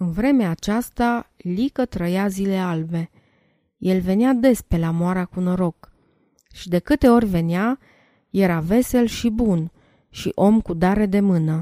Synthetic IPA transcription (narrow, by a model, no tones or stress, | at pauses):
ɨnvɾe̞meaːt͡ʃast̪alikət̪ɾəjazile̞albe̞ | je̞lve̞nead̪e̞spe̞lamoaɾakuno̞ɾo̞k | ʃid̪e̞kɨt̪e̞o̞rʲve̞nea | je̞ɾave̞se̞lʃibun | ʃḭʔo̞mkud̪aɾe̞d̪e̞mɨnə